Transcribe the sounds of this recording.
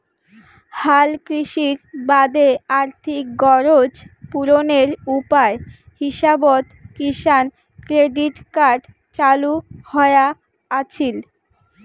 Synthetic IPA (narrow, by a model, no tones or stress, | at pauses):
halkɾiʃiɾbad̪eaɾt̪ʰik̚ɡɔɾod͡ʑpuɾoneɾupae | hiʃabot̪kiʃan | kɾeɖiʈkaɾɖ | t͡ɕaluhɔea | at͡ɕʰil